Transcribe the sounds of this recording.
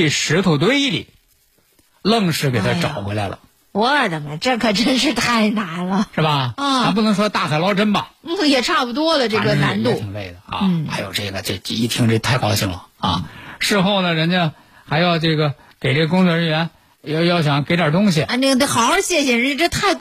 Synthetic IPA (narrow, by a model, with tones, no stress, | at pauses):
ʂɻ̩˧˥t̪ʰu˨˩t̪̬we˥ɪi˥˩lḭ˨˩˦ | lɤ˥˩ŋʂɻ̩˧˥˩ke˨˩ɪt̪ʰa˦˧ʈ͡ʂɑ˨˩ʊxwe˧˥la˧˥lə̰˨˩ | wɔ˧˥ə˞˨˩t̪ə˨˩ŋə˧˩ʈ͡ʂɤ˥˩kʰɤ˨˩ʈ͡ʂə˥nʂ̬ɻ̩˥˧t̪ʰa˥˩ɪna˧˥nlə˧ʂɻ̩˥˩bɐ˨˩˥a˧˥p̬u˥˩nɤ˧˥ŋʂwɔ˥˧t̪a˥˩xʰa˨ɪlɑ˥ʊʈ͡ʂə˥nbɐ˨˥˩jɛ˨˩ʈ͡ʂʰa˥˩pu˧˩t̪̬wɔ˥lə˨ʈ͡ʂɤ˥˩ɡə˩na˥˧˥nt̪u˥˩i˧˥ŋle˥˩ɪdə˩ɐ̰˧n̩˥˩xa˧˥ɪjo˨˩ʊʈ͡ʂɤ˥˩ɡə˩t͡ɕo˥˩t͡ɕi˥˩t̪ʰi˧˥ŋʈ͡ʂə˥˩˧t̪ʰa˥˩ɪkɑ˥ʊɕi˥˩ŋlə̰˩ɐ̰˥˧ʂɻ̩˥˧xo˥˩ʊnə˩ɻə˧˥nt͡ɕɥɛ˥n | xa˧˥ɪjɑ˥˧ʊʈ͡ʂɤ˥˩ɡə˩ | ke˨˩ɪʈ͡ʂɤ˥˩ɡəkʊ˥ŋt͡swɔ˥˧ɻə˧˥nɥɛ˧˥n | jjɑ˥˩ʊɕ̬jɑ˧˥˦ŋke˧˥ɪʈ͡ʂə˨˩t̪̬ʊ˥ŋɕi˨˩˧ne˥˩n˥˧xɑ˨˧˩ʊə˞˧˥ɕjɛ˥˧ɕɛ˥˩nɻə˧˥nʰ˥ə˥t̪ʰa˥˩ɪ